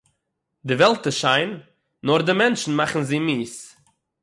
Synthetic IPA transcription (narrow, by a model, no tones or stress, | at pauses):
dɪvɛlˠtəʃaɪnː | ɔɾdɪmɛnʃn̩maχn̩ziːmiːs